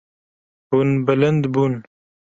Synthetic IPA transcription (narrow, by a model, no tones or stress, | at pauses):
bunbələnd̪bun